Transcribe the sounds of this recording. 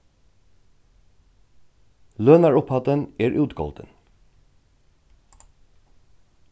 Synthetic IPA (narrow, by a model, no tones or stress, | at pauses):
lœːnæːɹʊphɑd̪ənʔeːɹʔʉːt̪ɡɔ̰ld̪ə̰n